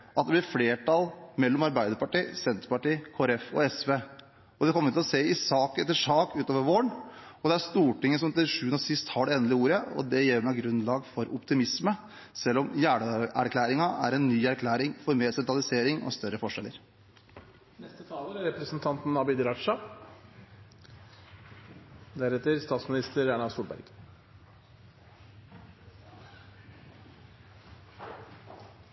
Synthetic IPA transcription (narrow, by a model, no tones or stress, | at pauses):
ʔɑt̪d̪ɛblɪɾfleːʈɑlmɛlːɔmɑɾbæɪd̪əɾpɑʈiːsɛnt̪ɾpɑʈiːkʰoːɾɛfɔ̰ɛsʋeː | ɔd̪ɛkʰɔmːəɾt̪ʰɪlɔseːɪsɑːkɛt̪ːɪʂɑːkʉːt̪oːʋəɾʋoːɳɔd̪ɛæɾst̪uːʈɪŋːəsɔmt̪ɪlʂʉːənɔsɪst̪hɑɖɛeːnəlɪəuːɾəɔ̰d̪ɛjɛːmæɡɾʉnlɑːɡfɔɾʊpt̪ɪmɪsmə | sɛlːɔmjæːɳəæ̰ɾkʰlæːɾɪŋɑʔæ̰ɾɛnːyːæɾkʰlæːɾɪŋfɔɾmeːɾsɛnt̪ɑlɪseːɾɪŋʔɔ̰st̪œɾəfɔʂɛlːə̰ɾ | nɛst̪ət̪ʰɑːləɾæɾɛpɾəsənt̪ʰɑnt̪n̩ːɑbɪd̪ɾɑʈʂɑ | d̪æɾɛt̪ːəɾst̪ɑːt̪smɪnɪst̪əɾæɳɑsuːlbæ̰ɾɡ̥